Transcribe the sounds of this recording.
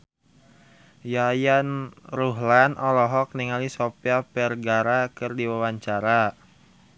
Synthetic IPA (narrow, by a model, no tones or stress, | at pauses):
jajanruɦlanʔɔlɔɦɔk̚niŋalisɔpiapɛrɡaɾakɨrdiwawaɲt͡ʃaɾa